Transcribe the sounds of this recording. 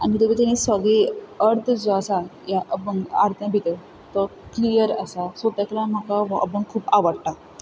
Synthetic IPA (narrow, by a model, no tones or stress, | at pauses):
anit̪əbit̪ãnisəɡɭiəɾt̪ʰd͡zɔasajaʔəpəŋɡa̰ɾt̪ʰjãbʱit̪ə | t̪ɔklijəɾə̰sasət̪aklam̤əkaʋə̰bəŋkʰuːpaʋəɽʈa